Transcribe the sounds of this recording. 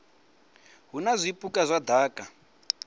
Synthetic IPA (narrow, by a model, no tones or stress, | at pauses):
ɦunazʷipʼukʼazʷad̪ʱaːkʼa